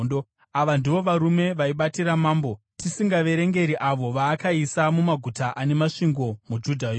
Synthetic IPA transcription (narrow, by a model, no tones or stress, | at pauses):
o | aʋandiʋo̞ʋaɾume̞ʋaiɓatiɾamaːmbo̞ | tisiŋɡaʋe̞ɾe̞ŋɡe̞ɾiʔaʋo̞ʋaːkaisamumaɡʱutaʔane̞maʂiŋɡo̞mud͡ʒudʱaj